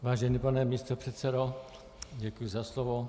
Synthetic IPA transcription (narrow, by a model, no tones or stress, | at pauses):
vaːʒɛnipanɛmiːst̪opr̥ɛt̪sɛdo | ɟɛkujuzaslovo